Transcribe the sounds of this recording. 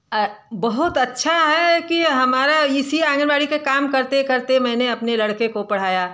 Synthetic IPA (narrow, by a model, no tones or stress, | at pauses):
bɐɦʊt̪ɐtːʃʰaɦɛkiɦɐmaːɾaɪsiãːŋɡəɾbaːɽikekaːmkɐɾt̪ekɐɾt̪emɛ̃ːneɐpnelɐɽkekopɐɽ̤aːjaː